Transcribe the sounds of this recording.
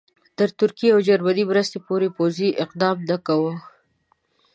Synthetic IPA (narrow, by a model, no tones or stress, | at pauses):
t̪əɾt̪ʊɾkiawd͡ʒaɾwad̪imɾəst̪epoɾepoziʔɪqd̪ɑmd̪akawə